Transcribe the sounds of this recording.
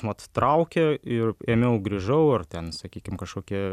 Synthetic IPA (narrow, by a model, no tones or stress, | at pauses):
mɐt̪t̪ɾɐʊkʲeɪreːmʲɛʊɡɾʲiʒɐʊɐrt̪ʲɛnsɐkʲiːkʲɪmkɐʃkoːkʲiɛ